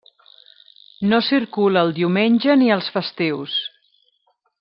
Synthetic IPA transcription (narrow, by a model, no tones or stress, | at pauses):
nosiɾkuləːlˠd̪iumenʲʒəniəlˠsfəst̪ews